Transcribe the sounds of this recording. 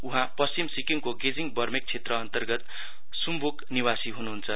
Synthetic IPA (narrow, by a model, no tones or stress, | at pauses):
uɦãpʌst͡simsikiŋkoɡed͡ziŋbʌrmek̚t͡sʰet̪rʌːnt̪ʌrɡʌt̪ | sumbʱukniwasiɦunuɦunt͡sʰʌ